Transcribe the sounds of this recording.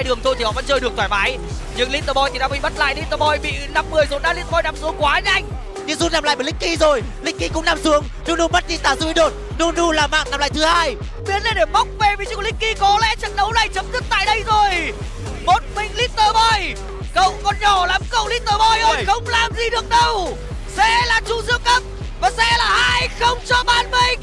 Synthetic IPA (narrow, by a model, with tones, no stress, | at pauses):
a˧jɗɨ˨˩əŋt̪ʰo˧t̪ʰi˨˩hɔ̰˧˨və˧˥nt͡ɕəː˧jɗɨ˨˩ək̚t̪ʰwaː˨˩jmaː˨˦j | ɲɨ˧ŋli˦˥t̪̚əː˧˩ɓɔ˧jt̪ʰi˨˩ɗaː˧˩mi˧˨˩ɓə˦˥t̚la̰ː˧˨jli˦˥t̪əː˧˩ɓɔ˧jɓḭ˧˨na˧mːɨ˨˩əjzo˨˩n̚ɗaː˧˦li˦˥t̪̚ɓɔ˧jna˧˩msu˨˦əŋkwaː˨˦ɲa˧jŋ̟ | ɲɨ˧ŋzu˦˥na˨˩mla̰ː˧˨jɓəː˨˩lï˦˥k̟ki˧zo˨˩j | lï˦˥k̟̚ki˧kʊ̰˧˥ŋ͡mnaː˧msu˨˦əŋ | nu˧nu˧mə˦˥t̚ɲi˧˩t̪aː˨˧˩zṵ˧˨ʔi˧˦ɗo˨˩t̚ | nu˧nu˧laː˨˩ma̰ː˧˨ŋnaː˨˩mla̰ː˧˨jt̪ʰɨ˨˦haː˧j | ɓi˨˦ənla˨˧˩ɗe˧˩ma˦˥wk͡p̚ve˧˩vi˨˦t͡ɕʊ̰˧˩ŋlï˦˥k̟kːi˧kɔ˨˦lɛ̰˧˥t͡ɕə̰˧˨n̚ɗə˨˦wna˨˩jt͡ɕə˨˦mzɨ˦˥k̚t̪a̰ː˧˨jɗə˧jzo˨˩j | mo˨˩t̚mï˨˩ŋ̟li˦˥k̚t̪əː˨˧˩vɔ˧˩j | kə˧˨˩wkɔ˧nɲɔ˧˩la˨˦mkə˨˩wli˦˥k̚t̪əː˧˩vɔ˧jo˧xə˧wŋ͡mlaː˨˩mzi˨˩ɗɨ˨˩ək̚ɗə˧w | sɛ̰˧˥laː˨˩t͡ɕu˧zɨ̰˧˥əŋkə˦˥p̚ | vaː˨˩sɛ̰˧˥laː˨˩haː˧jxə˧wŋ͡mt͡ɕɔ˧ɓaː˨˩nmï˨˩ŋ